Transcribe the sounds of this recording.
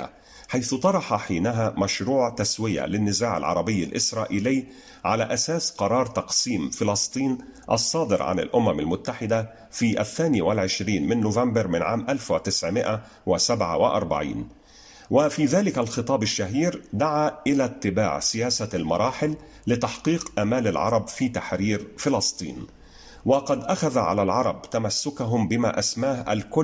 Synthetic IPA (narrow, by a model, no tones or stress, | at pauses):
a̰ | ħajθʊt̪ˤɑɾˤɑħɑħiːnaɦæːmæʃɾuːʕt̪aswɪjæ̰lɪnːɪzaːʕɪ̰lʕɑ̰ɾˤɑbɪjːa̰lʔɪ̰sɾˤɑːʔiːlɪjː | ʕalæ̰ːʔæsæːsqɑɾˤɑːɾˤt̪ɑqsiːmfɪlɑsˤt̪ˤiːn | ʔɑ̰sˤːɑːd̪ɪɾʕa̰nɪ̰lʔʊmæma̰lmʊt̪ːaħɪd̪a | fiːʔæθːæːniwɪlʕɪʃɾiːnmɪnːʊvambɑɾmɪnʕaːmʔalfwɪt̪ɪsʕmɪʔa | wɪsabʕa̰wɪʔɑ̰ɾˤba̰ʕḭːn | wɪfiːðaːlɪkalxɨt̪ˤɑːbɪʃːaɦiːɾd̪aʕaːʔɪlaːt̪ːɪba̰ːʕsɪjaːsalmɑ̰ɾˤɑːħɪlː | ɪt̪ɑħqiːqʔamaːlalʕɑ̰ɾˤɑbfiːt̪aħɾiːɾfɪlɑsˤt̪ˤḭːn | wɪqɑd̪ʔaxaðaʕa̰lalʕɑɾˤɑbt̪amasːʊkaɦʊmbɪma̰ʔasmaːhʔa̰lkʊ